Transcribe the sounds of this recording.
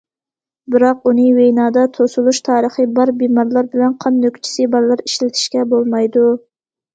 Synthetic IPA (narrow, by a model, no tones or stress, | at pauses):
bɪɾɑqunɨwejnɑːd̪ɑt̪ʰosulˠuʃt̪ʰɑːɾəχəbɑɾbimɑɾlˠɑɾbɪlɛnqʰɑnːøkʲt͡ʃʰi̥sɨbɑɾlˠɑɾiʃlɪt̪ʰɪ̥ʃkʲɛbolˠmɑjd̪u